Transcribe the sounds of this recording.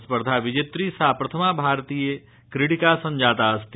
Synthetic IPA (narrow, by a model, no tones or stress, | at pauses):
spəɾd̪ʱaʋɪd͡ʒet̪ɾisaːpɾɐt̪ʰəmabʱaːɾt̪iːje | kɾɪʈikasɐ̃nd͡ʒaːt̪ast̪